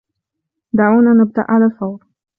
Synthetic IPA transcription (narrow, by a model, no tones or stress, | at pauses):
d̪aʕuːnanɪb̚d̪a̰ʔʕalafɑwɾ